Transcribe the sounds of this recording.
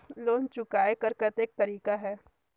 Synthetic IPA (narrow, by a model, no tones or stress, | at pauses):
loːnt͡ʃʊkaːekɐɾkɐt̪eːk̚t̪ɐɾiːkaɦɛː